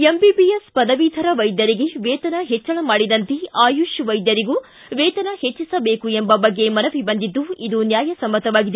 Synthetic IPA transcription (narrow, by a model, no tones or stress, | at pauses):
embibijɐspɐd̪ɐʋiːt̪ʰɐɾɐʋɐjd̪jɐɾiɡe̞ʋɛːt̪ɐnɐɦɛt͡ʃːɐɭɐmaːɽid̪ɐnt̪eaːjuʃʋɐjd̪jɐɾiɡu | ʋɛːt̪ɐnɐhet͡ʃːisɐbe̞ːkuembɐbɐɡːe̞mɐnɐʋibɐnd̪id̪ːuid̪unjaːjɐsɐmːɐt̪ɐʋaːɡid̪